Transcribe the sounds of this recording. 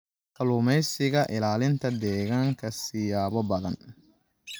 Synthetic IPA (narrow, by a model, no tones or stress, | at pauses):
kʰɐlʊmɛjsɪɣɐʔɪlaːlɪnt̪ʰɐd̪ɛːɣaːŋkʰɐsɪjaːβɔbɐðɐ̰n